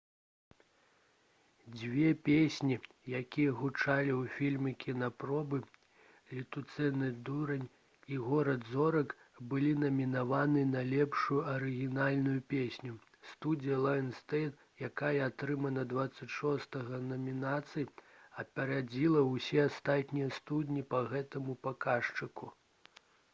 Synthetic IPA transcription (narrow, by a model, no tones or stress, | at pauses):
d͡zʲvʲɛpʲesʲnʲi | jakʲijɐɣut͡ʂalʲiwfʲilʲmʲɨkʲʰinɐpɾɔbɨ | lʲit̪ut̪sɛnɨd̪uɾɐnʲ | iɣɔɾɐd̪zɔɾɐk | bɨlʲinɐmʲinavanɨnɐlʲɛpʂujuɐɾɨɣʲinalʲnujupʲesʲnʲu | st̪ud͡zʲijɐlˠajnst̪ɛjt̪ | jakajɐat̪ɾɨmɐnɐd̪vat̪sːɐt͡sʲʂɔst̪ɐɣɐnɐmʲinat̪sɨjɐpʲaɾad͡zʲilˠɐwsʲɛast̪at̪ʲnʲijɐst̪ud̪ʲnʲipɐɣɛt̪ɐmupakaʂt͡ʂɨku